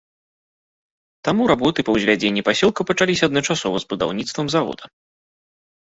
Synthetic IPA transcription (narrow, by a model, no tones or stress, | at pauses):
t̪amuɾabɔt̪ɨpɐwzʲvʲad͡zʲenʲːipasʲɔlˠkɐpɐt͡ʂalʲisʲɐd̪nɐt͡ʂasɔvɐzbud̪a̰wnʲit̪st̪vɐmzavɔ̰d̪ɐ